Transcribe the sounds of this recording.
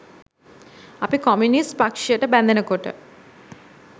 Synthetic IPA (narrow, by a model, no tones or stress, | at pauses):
ɐpikɔmjunispɐkʂijɐʈəbɐnd̪ʱɐnɐkoʈɨ̰